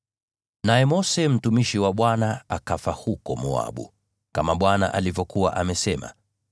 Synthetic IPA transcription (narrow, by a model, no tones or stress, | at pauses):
najɛmɔsɛm̩tumiʃiwaɓwanaakafahukɔmua̰ɓṵ | kamaɓwana̰ʔalivjɔkuwaʔamɛsɛma̰